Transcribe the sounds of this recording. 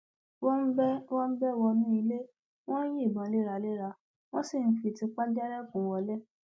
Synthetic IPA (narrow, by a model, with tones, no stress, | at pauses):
wɔ˦n̩˦bɛ˦wɔ̃˦n̩˦bɛ˦wɔ˧nũ˦i˧le˦ | w̃ɔ̃˦n̩˦ji˦˨bã˨le˦˨ɾa˧le˦ɾa˧ | w̃ɔ̃˦si˦˨n̩˦fi˧˨ti˧k͡pa˦d͡ʒɛ˦ɾɛ˦kũ˨wɔ˧lɛ˦